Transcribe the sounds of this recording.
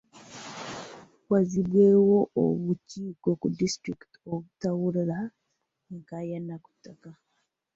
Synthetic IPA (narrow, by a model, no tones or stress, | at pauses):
waziβwewo̞o̰βuciːkokudistɾiktoβutawuɾiɾa | kajanːaku̥tːaka